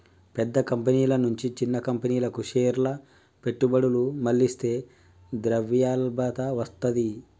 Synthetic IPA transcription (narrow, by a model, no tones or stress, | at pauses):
pɛd̪ːɐkɐmpɐniːlɐnuɲt͡ʃit͡ʃinːɐkɐmpɐniːlɐkuʂeːɾlɐ | pe̞ʈːubɐɽulumɐlːist̪e̞ː | d̪ɾɐʋjaːlbɐt̪ɐʋɐst̪ɐd̪i